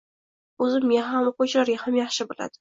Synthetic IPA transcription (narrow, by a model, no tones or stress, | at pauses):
ɵzɪmːeɦamqot͡ʃʰlaɾɡʲahamjɑχʃɪbɪla̰d̪̥ɪ